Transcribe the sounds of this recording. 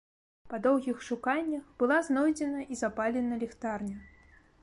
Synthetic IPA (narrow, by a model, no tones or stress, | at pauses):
pɐd̪ɔwɣʲixʂukanʲːɐxbɨlˠaznɔjd͡zʲɛnɐʔizapalʲɛnɐlʲɛxt̪arnʲɐ